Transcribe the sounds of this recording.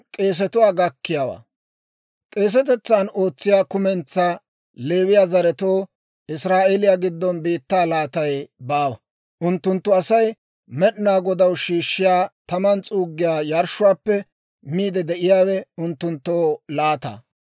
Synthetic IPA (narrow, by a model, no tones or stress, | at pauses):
kʼe̞ːs̬ɛt̪ʊwaːɡɐkːɪjaːwa̰ː | kʼe̞ːs̬ɛt̪ɛt͡sːano̞ːt͡sːɪjaːkʊmɛnt͡sːa | le̞ːwɪjaːzɐɾɛt̪oː | ʔɪsɾaːʔelɪjaɡɪd̪ːɔnbiːt̪ːaːlaːt̪ɐjbaːwɐ | ʔʊnt̪ːʊnt̪ːʊɐsɐj | mɛɗnaːɡɔd̪ɐwʃiːʃːɪjaːt̪ɐmɐnt͡sʼuːɡːɪjaːjɐɾʃʊwaːpːɛ | miːd̪ɛd̪ɛʔɪjaːwɛʊnt̪ːʊnt̪ːoːlaːt̪a̰ː